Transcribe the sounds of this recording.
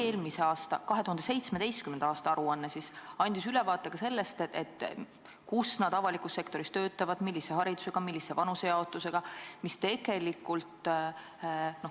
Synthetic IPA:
eːlmiseɑːst̪ɑkɑɦet̪uhɑnd̪ese̞jt̪smed̪̥e̞jst̪̚kymend̪ɑːst̪ɑɑɾuɑnːesisɑnʲd̪̥isylɛvɑːt̪ːˑeɡ̥ɑse̞lːe̞st̪ḛt̪ː | kusnɑd̪̥ɑvɑlikˑusːe̞kt̪o̞ɾist̪ø̞ːt̪ːˑɑvɑd̪̥milːise̞hɑɾid̪use̞ɡ̥ɑmilːisːe̞vɑnusejɑot̪ːˑuse̞ɡ̥ɑmist̪e̞ɡ̥e̞likːˑult̪ˑ | no

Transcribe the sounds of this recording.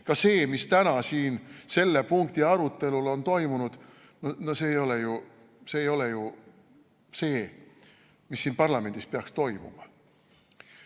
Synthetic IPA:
kɑse̞ːmist̪ænɑsiːnse̞lːe̞puŋkt̪iɑɾut̪ːˑe̞lulo̞nt̪o̞jmunud̪̥ | nonose̞ːjo̞leju | se̞ːjo̞leju | se̞ː | misːiːnpɑrlɑme̞nd̪ispeɑkst̪o̞jmṵmɑ

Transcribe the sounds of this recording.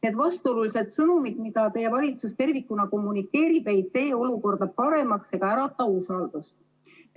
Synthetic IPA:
ned̪vɑst̪o̞lulise̞d̪̥sɤnumid̪̥mid̪̥ɑt̪ejevɑlʲit̪sust̪e̞rvikːˑunɑko̞mːunikːe̞ːɾib̥ejt̪ːe̞jo̞luko̞rd̪̥ɑpɑɾe̞mɑkse̞ɡ̥ɑæɾɑt̪ɑusɑːld̪̥ust̪

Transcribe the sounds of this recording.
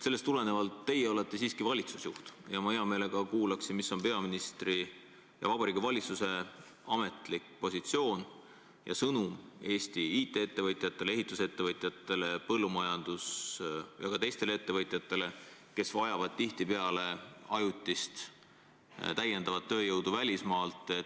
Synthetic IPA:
se̞lːest̪ule̞ne̞vɑlt̪ːe̞jːeo̞le̞t̪ːˑe̞siːskivɑlʲit̪susjuht̪jɑmɑeɑme̞ːle̞ɡ̥ɑkuːlɑksinmisːo̞npe̞ɑminist̪ri | jɑ̰vɑbɑɾiːɡivɑlʲit̪suse̞ | ɑme̞t̪ˑlikpo̞sʲit̪sio̞ːn | jɑ̰sɤnume̞ːst̪iiːt̪ːˑe̞et̪ːe̞vɤt̪ˑjɑt̪ˑːe̞leeɦit̪ˑːuse̞t̪ːe̞vɤt̪ˑjɑt̪ːˑe̞le̞pɤlːumɑjɑnd̪̥usjɑɡ̥ɑt̪e̞jst̪e̞lee̞t̪ːe̞vɤt̪ˑjɑt̪ːˑe̞le̞ | ke̞svɑjɑvɑd̪̥̚t̪iht̪ipe̞ɑle̞ɑjut̪ʲˑːist̪ | t̪æjːe̞nd̪̥ɑvɑt̪̚ːø̞ːjɤwd̪uvælʲismɑːlt̪ˑe̞

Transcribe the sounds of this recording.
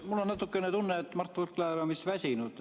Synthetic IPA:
mulːonnɑt̪ːˑukːenet̪unːet̪ːmɑrt̪ːˑvurkːlɑːɾɑmisvæsʲinud̪̥

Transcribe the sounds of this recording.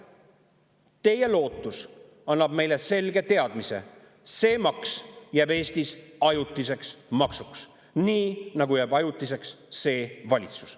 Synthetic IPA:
t̪e̞jelo̞ːt̪ːˑus | ɑnːɑb̥me̞jle̞se̞lɡe̞t̪e̞ɑd̪̥mise̞̰ | se̞ːmɑksjæːbe̞ːsʲt̪isɑjut̪ːˑise̞ksmɑksuks | niːnɑɡujæːbɑjut̪ːˑise̞ksːe̞ːvɑlʲit̪su̥s

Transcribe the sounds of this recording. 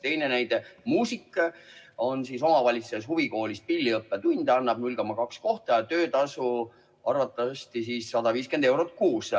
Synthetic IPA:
t̪e̞jnenæjd̪e̞muːsikː | o̞nsiso̞mɑvɑlʲit̪suse̞shuviko̞ːlʲis̚pilʲːiɤpːet̪unʲd̪̥ɑnːɑb̥̚nulʲko̞mɑkɑksko̞ht̪ɑjɑt̪øːt̪ɑsu | ɑrvɑt̪ːˑɑst̪is̬iːsːɑd̪ɑviːske̞nd̪̥e̞wɾot̪̚kuːs

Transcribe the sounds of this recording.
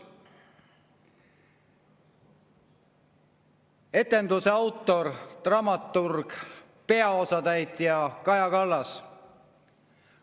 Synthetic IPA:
e̞t̪ːˑe̞nd̪useɑwt̪ˑːo̞rt̪rɑmɑt̪ːurɡ̥ | pe̞ɑo̞sɑt̪æjt̪jɑkɑjɑkɑlːɑs

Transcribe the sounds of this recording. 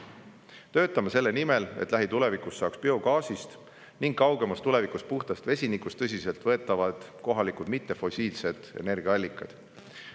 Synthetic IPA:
t̪ø̞ːt̪ːˑɑmɑse̞lːe̞nime̞le̞̰t̪ːˑlʔæɦit̪ule̞vikusːɑːkspeo̞kɑːsist̪ | niŋɡ̥kːɑwɡ̥e̞mɑst̪ule̞vikuspuht̪ɑst̪ve̞sʲinikust̪ɤs̬ʲise̞lt̪ˑvɤ̞et̪ˑːɑvɑd̪̥ko̞ɦɑlikud̪mit̪ˑːe̞fo̞sʲiːlse̞d̪̥e̞̰ne̞rɡ̥iɑɑlʲːikːˑɑ̰d̪̥

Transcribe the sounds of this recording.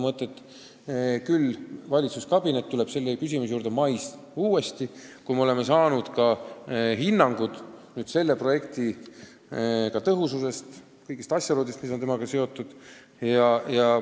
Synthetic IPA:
mɤt̪ːˑet̪ːˑ | kylvɑlʲit̪suskɑb̥ine̞t̪ːule̞b̥se̞lːekys̬ʲimus̬juːɾd̪̥e̞mɑjs | uːe̞st̪ikujmeole̞me̞sɑːnud̪̥kɑɦinːɑŋɡ̥ud̪̥nyːd̪̥se̞lːe̞pro̞je̞kt̪i | kɑt̪ɤɦususe̞st̪ | kɤjɡist̪ɑsʲjɑloːd̪ist̪misont̪emɑɡ̥ɑse̞o̞t̪ːˑud̪̥ | jɑjɑ

